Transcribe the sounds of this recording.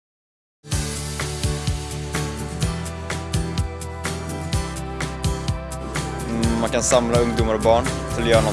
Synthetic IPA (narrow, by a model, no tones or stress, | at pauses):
mankʰansamlaɵŋd̪ʊmaɾɔbɑːɳt̪ʰɪljœːaɳa